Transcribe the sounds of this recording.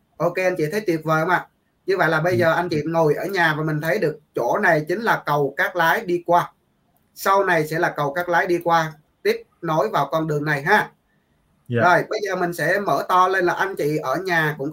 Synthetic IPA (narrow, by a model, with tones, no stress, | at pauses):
ʔo˧ke˧ʔa˧nt͡ɕḭ˧˨t̪ʰə˨˦jt̪wi˨˩ət̚vəː˨˩˧ŋ͡mʔaː˧˨˩ | ɲɨ˧və̰˧˨jlaː˨˩ɓə˧jzəː˨˩ʔa˧nt͡ɕḭ˧˨ŋo˨˩jʔəː˧˩ɲaː˨˩vaː˨˩mï˨˩ŋ̟t̪ʰə˨˦jɗɨ˨˩ək̚t͡ɕo˧˩na˨˩jt͡ɕï˨˦ŋ̟laː˨˩kə˨˩wkaː˦˥k̚laː˨˦jɗi˧kwaː˧ | sa˧wna˨˩jsɛ̰˧˥laː˨˩kə˨˩wkaː˦˥k̚laː˨˦jɗi˧kwaː˧ | t̪i˦˥əp̚no˨˦jvaː˨˩wkɔ˧nɗɨ˨˩əŋna˨˩jɦaː˨˦ | zə˨˩jɓə˧jzəː˨˩mï˨˩ŋ̟sɛ̰˧˥məː˧˩t̪ɔ˧le˧nlaː˨˩ʔa˧jŋ̟t͡ɕḭ˧˨ʔəː˧˩ɲaː˨˩kʊ̰˧˥ŋ͡m